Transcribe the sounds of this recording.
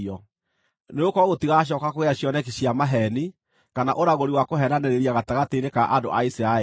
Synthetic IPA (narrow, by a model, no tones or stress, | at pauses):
ɔ | neokɔɣotiɣaɕ̬ɔkakoɣeaɕjɔnɛkiɕiamaɦɛni | kanaʔoɾaɣoɾiwakoɦɛnanɛɾeɾiaɣataɣateinekaʔado̰ʔaisiɾaɛ